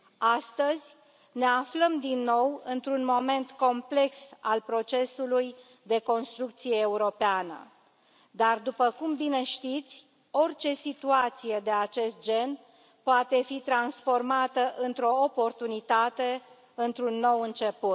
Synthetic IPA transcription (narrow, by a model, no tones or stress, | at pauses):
ast̪əzʲ | ne̞afləmd̪inːo̞wɨnt̪ɾunmo̞me̞nt̪ko̞mple̞ksalpɾo̞t͡ʃe̞suluj | d̪e̞ko̞nst̪ɾuk̚t̪sijeːuɾo̞peanə̰ | d̪ard̪upəkumbine̞ʃt̪it̪sʲ | o̞rt͡ʃe̞sit̪uat̪sije̞d̪e̞at͡ʃe̞st̪̚d͡ʒe̞n | poat̪e̞fit̪ɾansfo̞rmat̪əʔɨnt̪ɾo̞ːpo̞rt̪unit̪at̪e̞ | ɨnt̪ɾunːo̞wɨnt͡ʃe̞put̪